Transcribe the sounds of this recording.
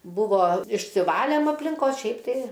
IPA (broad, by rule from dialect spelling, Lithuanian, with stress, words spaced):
ˈbʊʋoː ɪʃʲsʲɪˈʋɑːlʲeːm ɐpʲlʲɪŋˈkoːs ˈʃʲɛɪp tɐɪ